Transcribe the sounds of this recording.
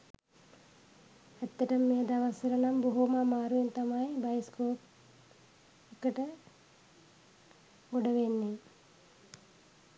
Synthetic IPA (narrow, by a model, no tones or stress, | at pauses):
æt̪ːəʈəmːeːd̪aʋəsəɾənamboɦumamaːɾuʋent̪amajbajskoːp̚ | ekəʈə | ɡoɖəʋenːe